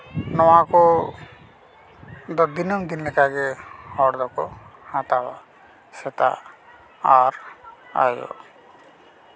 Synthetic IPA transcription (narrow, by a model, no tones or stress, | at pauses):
nɔwakɔ | d̪ɔd̪inɔmd̪inlɛkaɡɛhɔɽd̪ɔkɔhat̪awa̰ | sɛt̪a̰ | aɾa̰jɔ̰